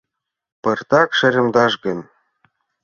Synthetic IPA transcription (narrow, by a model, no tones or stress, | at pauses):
pɤ̆rt̪ɑkʃɘ̆ɾʲɤ̆md̪ɑʒɡɤ̆n